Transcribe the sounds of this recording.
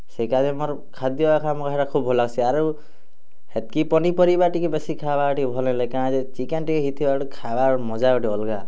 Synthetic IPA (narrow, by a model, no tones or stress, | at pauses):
sekazemɔɾ | kʰad̪jɔbakʰamɔkaɦeɾakʰubʱɦolaɡsʰiaɾu | het̪̚kipɔnipɔɾibaʈikebesikʰabaʈibʱɔlẽlekaãd͡ʒet͡ʃikenʈikɦit̪ʰibaʈukʰabamɔd͡ʒabaʈiɔlɡa